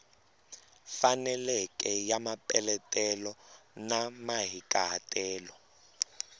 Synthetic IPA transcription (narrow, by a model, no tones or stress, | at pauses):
fanɛlɛkʼɛjamapʼɛlɛtʼɛlɔnamaɦikʼaɦatʼɛːlɔ